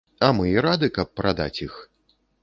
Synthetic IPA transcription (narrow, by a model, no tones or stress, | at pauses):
ɐmɨiɾad̪ɨkɐp̚ːɾad̪a̰t͡sʲix